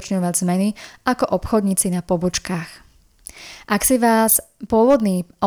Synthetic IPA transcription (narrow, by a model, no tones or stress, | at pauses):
t͡ʃɲɔʋaɟzmɛniakɔʔɔpxɔd̪ɲiːt͡sinapɔbɔt͡ʃkaːx | ʔaksiʋaːspʊɔʋɔd̪niːʔɔ